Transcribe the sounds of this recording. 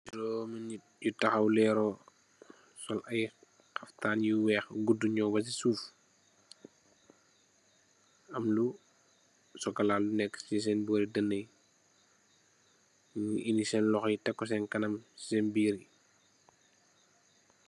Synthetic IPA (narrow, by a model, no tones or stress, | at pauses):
iɾɔmɐn | jutɐxɐwlɛːɾɔ | sɔlɐj | xɐftaːnjuwɛːxɡudːuɲɔwbɐs̬isuːf | ɐmlu | sɔkɐlaːlːunɛkːsis̬ɛnbuɐɾidɐnːəj | ɲʔinisɛnlɔxitɛkːɔs̬ɛnkɐnɐmsɛnbiːɾi